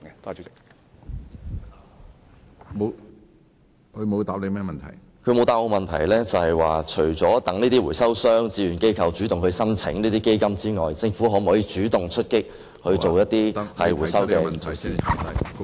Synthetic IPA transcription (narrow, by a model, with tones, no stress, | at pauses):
t̪ | mo˨ | kʰɵ˨˧˥mo˨˧wt̪aː˨˧p̚le˨˧mɛː˥mɐ˨nt̪ʰɐ̰˨˩j | kʰɵ˨˧ɥmo˨˧wt̪aː˧p̚o˧mɐ˨nt̪ʰɐ̰˨˩jlɛː˥t͡sɐ˨whɐ˨jwaː˨t͡ʃʰɵ˨˩ɥt͡sɔː˨˥t̪ɐ˨˥ŋniː˥t̪i˥wuː˨˩jsɐ˥wsœː˥ŋt͡siː˨˧ɥyː˨˩nke˥jkʰɐ˧wt͡ʃyː˨˥t̪ʊ˨ŋhɵ˨˧sɐ˥nt͡sʰɪ̰˨˥ŋniː˥t̪iː˥ke˥jkɐ˥mt͡siː˥ŋɔː˨˩jt͡sɪ˧ŋfu˨˥ɦɔː˨˥m̩˨hɔː˨˥jiː˨˧t͡ʃyː˨˥t̪ʊ˨ŋt͡ʃʰɵ˥t̚kɪ˥k̚ | hɵ˧ɥo˨wjɐ˥t̪̚iː˥hɐ˨jwu˨˩sɐ˥wkɛː˧˨˩siː˨